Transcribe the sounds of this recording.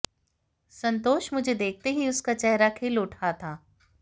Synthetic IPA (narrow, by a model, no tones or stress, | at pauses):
sɐ̃nt̪oːʃmʊd͡ʒʱed̪eːk̚ʰt̪eɦiʊskat͡ʃɛɦɾakʰeːlʊʈʰat̪ʰaː